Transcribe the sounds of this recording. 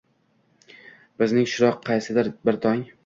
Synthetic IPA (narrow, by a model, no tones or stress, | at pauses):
b̥ɪznɪŋʃʊɾɒqʰːɑjsɪd̪ɪɾbɪɾt̪ʰɒŋ